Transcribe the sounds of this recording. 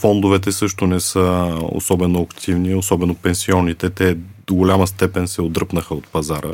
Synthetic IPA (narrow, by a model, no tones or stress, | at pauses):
fɔnd̪ovɛt̪̬ɛsɤʃt̪onɛsɤo̰sɔbɛnoɐkt̪ʰivniosɔbɛnopɛnsiɔnːit̪ɛt̪ɛd̪̥oɡolʲaməst̪ɛpɛnsɛod̪ɾɤpnəxəot̪̚pɐzaɾə̰